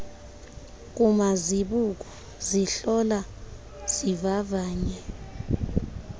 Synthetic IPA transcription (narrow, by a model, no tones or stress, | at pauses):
k̬umaziɓuk̬ɔ | ziɬɔla | z̥ivavaːɲɛ